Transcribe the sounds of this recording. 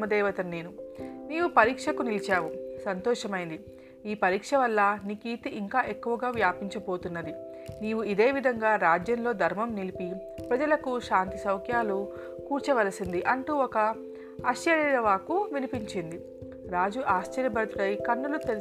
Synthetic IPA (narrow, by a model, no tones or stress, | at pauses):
mɐd̪ɛːʋɐt̪ɐnːe̞ːnuniːwupɐɾiːkʂɐkunilit͡ʃaːwusɐnt̪ɔːʂɐmɐjind̪i | iːpɐɾiːkʂɐʋɐlːɐnikiːt̪iʔiŋkaːʔe̞kːuʋɐɡaːʋjaːpiɲt͡ʃɐbo̞ːt̪unːɐd̪i | niːʋuid̪e̞ːʋid̪ʱɐŋɡaːɾaːd͡ʒjɐnlo̞ːd̪ʱɐɾmɐmnilipi | pɾɐd͡ʒɐlɐkuʃaːnt̪isɐwkʰjaːlu | kuːɾt͡ʃɐʋɐlɐsind̪iʔɐɳʈuːɔkɐː | ʃjɐɾɐɾɐʋaːkuʋinipiɲt͡ʃind̪i | ɾaːd͡ʒuʔaːʃt͡ʃɐɾjɐbɐɾt̪uɾɐjkɐnːulut̪e